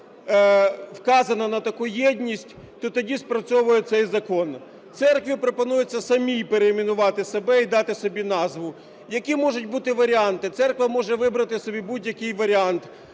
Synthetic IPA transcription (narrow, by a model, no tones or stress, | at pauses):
wkɑzɐnɐnɐt̪ɐkujɛdʲnʲisʲtʲ | t̪ɔt̪ɐdʲispɾɐt͡sʲɔʋʊjɛt̪sɛjzɐkɔn | t̪sɛrkʋʲipɾɔpɔnujet͡sʲːɐsɐmʲijpeɾeːmʲinʊʋɑt̪ɪsebɛid̪ɑt̪ɪsɔbʲinɑzʋʊ | jɐkʲimɔʒʊtʲbut̪ɪʋɐɾʲɪɑnt̪ɪt̪sɛrkʋɐmɔʒɛʋɪbɾɐt̪ɪsɔbʲibudʲjɐkɪjʋɐɾʲiɑnt̪